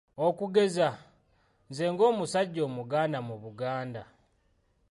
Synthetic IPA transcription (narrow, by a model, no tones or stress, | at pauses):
okuɡe̞za | nze̞ːŋɡo̞ːmusaɟːo̞ːmuɡaːnamuβuɡaːnda